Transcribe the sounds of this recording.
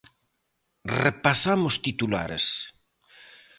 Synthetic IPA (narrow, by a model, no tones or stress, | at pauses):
repasamʊst̪it̪ula̰ɾḛs